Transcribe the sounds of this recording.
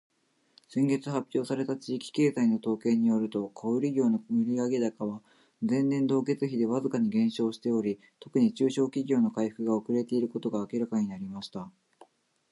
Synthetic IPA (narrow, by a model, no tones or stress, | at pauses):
sẽ̞ŋɡe̞t͡sɨɦapʲːjo̞ːsaɾe̞t̪at͡ɕiːkʲi̥ke̞ːzaino̞t̪o̞ːke̞ːɲ̟ijo̞ɾɯ̟t̪o̞kʰoɯɾʲiɡʲo̞ːno̞iɾʲiaɡed̪akaβ̞a | d͡zẽ̞nnẽ̞nd̪o̞ːke̞t͡sɨçid̪e̞βazɨkaɲ̟iɡẽ̞ɰ̃ɕo̞ːɕi̥t̪e̞oɾʲi | t̪o̞kɯ̟ɲ̟it͡ɕɨːɕo̞ːkʲiɡʲo̞ːno̞kaiɸɯ̟̥kɯ̟ɡao̞kɯ̟ɾe̞t̪e̞iɾɯ̟ko̞t̪o̞ɡaːkʲiɾakaɲ̟inaɾʲimaɕi̥t̪a